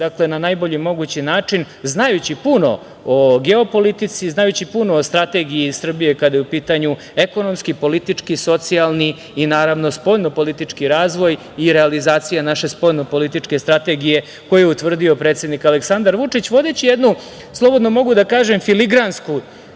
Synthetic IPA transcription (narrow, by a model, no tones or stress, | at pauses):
d̪akle̞nanajboʎimo̞ɡut͡ɕinaːt͡ʂin | znajut͡ɕipuno̞̰ | oɡe̞o̞po̞lit̪it̪siznajut͡ɕipuno̞ost̪ɾat̪e̞ɡiisr̩bije̞kad̪ajeupiːt̪aɲu | eko̞no̞mskipo̞lit̪it͡ʂkiso̞t̪sialˠniː | naːɾaʋno̞spo̞ʎno̞po̞lit̪it͡ʂkiɾaːzʋo̞j | iɾealizaːt̪sijanaʃe̞spo̞jno̞po̞lit̪it͡ʂke̞st̪ɾat̪e̞ɡije̞ | kojjɛut̪ʋr̩d̪io̞pɾet̪sed̪nikaleksand̪aɾʋut͡ʂit͡ɕʋo̞d̪et͡ɕijed̪nu | slˠo̞bo̞d̪nomo̞ɡud̪akaːʒemfiliɡɾansku